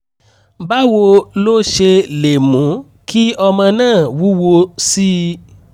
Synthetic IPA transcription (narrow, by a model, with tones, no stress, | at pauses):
ba˦wo˧lo˦ʃe˧le˨mũ˨˦ | kʰi˦ɔ˧mã˧nãː˦˨wu˨˦wo˧si˦